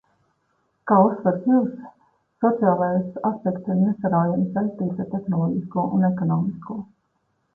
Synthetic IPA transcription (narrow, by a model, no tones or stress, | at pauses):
kaːusːvɛɾsjuːsː | ɔt̪siaːlˠajsaspɛkt̪iɾnɛsaɾaːjansvɛlʲst̪iːt̪at̪exnɔlˠɔɟiskuːʔunɛkɔnɔːmiskuː